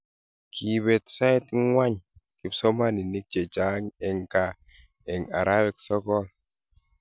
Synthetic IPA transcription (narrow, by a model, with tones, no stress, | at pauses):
kʰi˨βɛ˨tsa˦i˦tŋwa˦ɲ | ki˨psɔ˦ma˦ni˨ni˦k̚d͡ʒe˨d͡ʒa˨˦ŋɛ˨ŋka˨ | ɛ˨ŋa̰˨ɾa˦wɛ˨ksɔ˦kɔ˦l